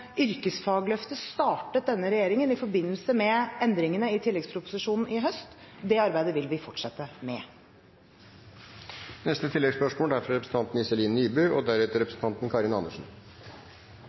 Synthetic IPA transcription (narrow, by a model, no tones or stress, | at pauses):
ʏɾkəsfɑːɡlœft̪əst̪ɑːʈət̪̚d̪ɛnːəɾɛjeːɾɪŋənɪfɔɾbɪnːəlsəmɛɛnd̪ɾɪŋənəɪt̪ʰɪlːɛɡspʰɾʊpʊ̥sɪʂuːnn̩ɪɦœst̪d̪ɛɑɾbæɪd̪əʋɪlʋɪːfɔʈʂɑt̪ːəmɛ | nɛst̪ət̪ʰɪlːɛɡspœʂmoːld̪æɾfɾɾɛpɾsn̩ɑnt̪n̩ɪsɛliːnnyːbʉːɔd̪æɾʉːt̪əɾɛpɾəsn̩t̪ɑnt̪n̩kʰɑːɾɪnɑnəʂn̩